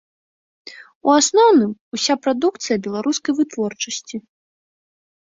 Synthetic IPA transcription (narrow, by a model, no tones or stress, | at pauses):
uasnɔwnɨmusʲapɾad̪uk̚t̪sɨjɐbʲɛlˠaɾuskɐjvɨt̪vɔrt͡ʂɐsʲt͡sʲi